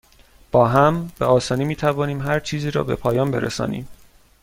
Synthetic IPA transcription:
b̥ɒːɦæmb̥eɒːsɒːnimiːt̪ʰævɒːniːmɦæɾt͡ʃʰiːziːɾɒ̰ːbe̞̰pʰɒːjɒːmbe̞ɾesɒ̰ːnḭːm

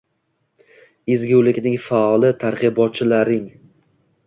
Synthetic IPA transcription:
ɪzɡʲuwlɪkʲnɪŋfaɒlˠɪt̪ʰaɾqɨbɒt̪̚t͡ʃʰɪlaɾɪŋ

